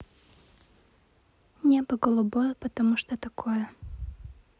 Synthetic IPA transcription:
nʲepəɡəlˠʊbojəpət̪ɐmuʂt̪ot̪ɐkʰojə

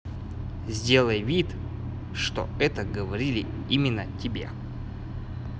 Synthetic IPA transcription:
zʲdʲe̞lˠəjvʲit̪ | ʂt̪o̰ɛt̪əɡəvɐɾʲilʲɪ | imʲɪnːətʲɪbʲe̞̰

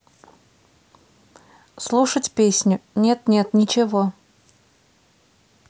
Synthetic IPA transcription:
slˠuʂətʲpʲesʲnʲʊnʲet̪nʲet̪nʲɪt͡ɕɪvo

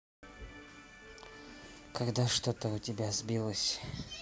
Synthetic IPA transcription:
kʰaɡd̪aʂt̪ot̪əʊtʲɪbʲazbʲilˠəsʲ

